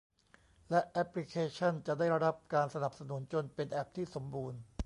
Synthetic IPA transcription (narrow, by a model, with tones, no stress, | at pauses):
lɛ˦˥ʔʔɛ˦˥pli˦˥kʰeː˧t͡ɕʰa˥˩nt͡ɕa˨˩ʔda˥˩jɾa˧ɾa˦˥p̚kaː˧nsa˧na˨˩p̚sa˧nu˩˦nt͡ɕo˧npe˧nʔɛ˦˥˩p̚t̪ʰiː˥˩so˩˦mbuː˧n